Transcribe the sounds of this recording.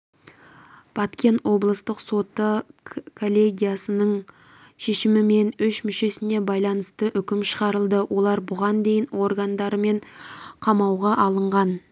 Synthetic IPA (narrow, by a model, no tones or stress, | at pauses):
b̥ɑt̪kʲe̞nt̪wo̞blˠəst̪əqso̞t̪əkʰo̞lʲːe̞ɡʲijasənəɴ | ʃe̞ʃɪmɪme̞nʏʃmʏʃe̞sɪne̞bɑjlˠɑnəst̪əʔʏkʲɪmʃəʁɑɾəlˠd̪əwʔo̞lˠɑɾbʊʁɑnd̪e̞jɪnwo̞rɡand̪ɑɾəme̞ɴqʰɑmɑwʁɑʔɑlˠəɴʁɑn